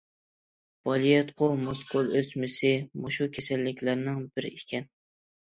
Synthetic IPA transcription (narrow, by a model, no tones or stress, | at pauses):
b̥ɑlijɛt̪qʰomoskʰolˠøsmɪsɪmoʃukʲʰesɛlːɪkʲlæɾnɪŋbɪɾekʲʰɛn